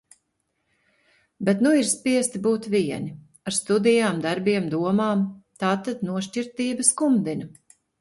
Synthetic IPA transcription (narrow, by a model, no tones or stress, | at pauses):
bɛt̪nuiɾspiɛst̪ibuːt̪viɛni | aɾst̪ud̪ijaːmd̪aɾbiɛmd̪uɔmaːmt̪aːt̪ad̪nuɔʃt͡ʃiɾt̪iːbɐskumd̪inɐ